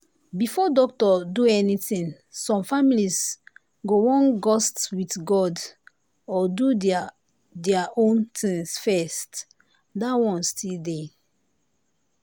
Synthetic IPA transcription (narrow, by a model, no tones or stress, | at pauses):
bifɔdɔk̚tɔduɛnitĩn | sɔ̃mfamilis | ɡowɔ̃nɡɔstwitɡɔd | ɔdu | dɛaʔõntĩŋsfɛst | dawɔ̃nstʰilde